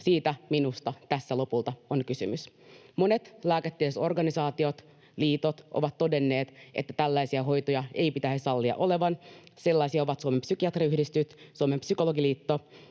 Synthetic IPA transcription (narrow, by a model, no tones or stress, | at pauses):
siːt̪æminust̪ɑt̪æsːælo̞pult̪ɑonkysymysmo̞net̪læːket̪ːiəso̞rɡɑnisɑːt̪io̞t̪ | liːt̪ot̪ʔo̰ʋɑt̪t̪ːo̞de̞nːe̞ːt̪ʔḛt̪ːæt̪ælːæjsiæɦo̞jt̪ojɑe̞jpit̪æhessɑlːiɑ̰ʔo̞le̞ʋɑnse̞lːɑisiɑoʋɑt̪suomempsykiɑt̪riyhdist̪yt̪suomempsyko̞lo̞ɡiliːt̪ːo